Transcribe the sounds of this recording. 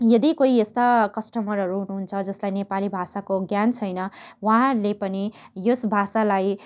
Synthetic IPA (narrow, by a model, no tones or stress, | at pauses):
jʌd̪ikoiest̪akʌsʈʌmʌɾɦʌɾuɦunuɦunt͡sʰʌd͡zʌslajnepalibʱasakoɡjant͡sʰʌjnʌwʌɦãlepʌnijosbʱasalaj